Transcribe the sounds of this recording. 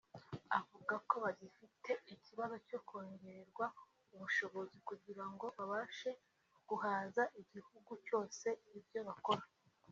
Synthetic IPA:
avuɡako̞βaɟifitʰe̞icʰiβazo̞co̞kʰoːɲɟe̞ɾeɾɡwa | uβuʃo̞βo̞zikuɟiɾaŋɡo̞βaβaːʃe̞ | ɡ̥uhaːzaʔiɟihuɡuco̞ːse̞ibjo̞βako̞ɾa

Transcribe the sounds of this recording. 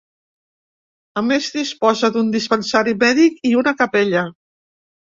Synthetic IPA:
əmezðispɔzəðund̪ispənsaɾimɛðikiunəkəpeʎə

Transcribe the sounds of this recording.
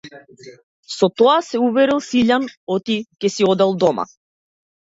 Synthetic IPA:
sɔt̪ɔasɛuvɛɾilˠsiʎanɔt̪ikɛsiɔd̪ɛlˠd̪ɔma̰

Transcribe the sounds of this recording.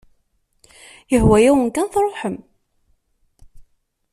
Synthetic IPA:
jəhwæjæwənkːænθrˤoħəm

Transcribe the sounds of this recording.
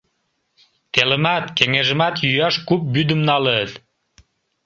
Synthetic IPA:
t̪elə̆mæt̪keŋeʒə̆mæt̪jyjɑʃkup̚byd̪əmnɑlət̪

